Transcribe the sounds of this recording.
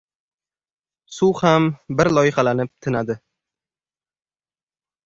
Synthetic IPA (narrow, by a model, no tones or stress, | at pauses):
sʊwhambɪɾlˠɒjɪχalanɪp̚t̪ʰɪnad̪ɪ